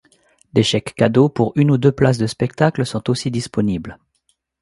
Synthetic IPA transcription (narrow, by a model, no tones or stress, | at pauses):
d̪eʃɛkːad̪opuʁynud̪øplas̬d̪əspɛkt̪aklsɔ̃t̪osid̪ispɔnibl